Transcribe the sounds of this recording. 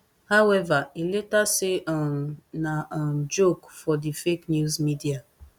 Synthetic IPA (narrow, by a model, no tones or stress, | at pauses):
hawɛvailetasɪnamd͡ʒokfɔdifeknjuzmidia